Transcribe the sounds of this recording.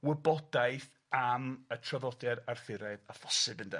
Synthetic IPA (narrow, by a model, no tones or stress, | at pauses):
wɛbɔdajθ | amətʰraðɔdɛɾarfɪɾɛðafɔ̥sɨbəndɛ